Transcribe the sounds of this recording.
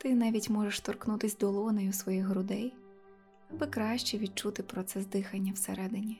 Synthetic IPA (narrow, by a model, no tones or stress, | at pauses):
t̪ɪnɑʋʲitʲmɔʐeʃt̪ɔrknut̪ɪsʲd̪ɔlˠɔnɔjʊsʋɔjixɦɾʊd̪ɛj | ɐbɨkɾɑʃt͡ʃɛʋʲid̪̚t͡ʃut̪ɪpɾɔt̪sɛzd̪ɪxɐnʲːɐwsḛɾɛd̪ɪnʲi